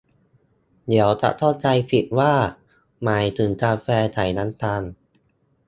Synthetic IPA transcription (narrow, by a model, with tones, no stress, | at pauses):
d̪i˩˦əwt͡ɕa̰˨˩ʔt̪ʰa˥˩wt͡ɕa˧jpʰi˨˩t̪̚waː˥˩ | ma˨˩jt̪ʰɯ˩˦nkaː˧fɛː˧t̪ʰa˨˩˦jna˦˥nt̪a˧n